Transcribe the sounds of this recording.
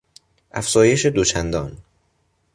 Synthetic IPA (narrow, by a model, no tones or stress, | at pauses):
ʔæfz̥ɒːje̞ʃe̞d̪ot͡ʃʰænd̪ɒːn